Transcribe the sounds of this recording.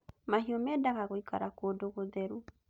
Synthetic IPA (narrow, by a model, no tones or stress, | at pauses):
maɦiɔmɛdaɣaɣoikaɾakoːdoɣoðɛɾu